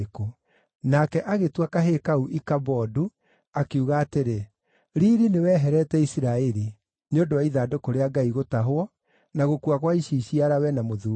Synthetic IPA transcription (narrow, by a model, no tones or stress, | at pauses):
ko | nakɛʔaɣetwakaɦekauʔikabɔdu | akeuɣaːteɾe | ɾiːɾinewɛːɦɛɾɛtɛisiɾaɛɾi | neondowaiðaːdokoɾeaɡaiɣotaɦwɔ | naɣokuakwaiɕiɕiaɾawɛnamoðuː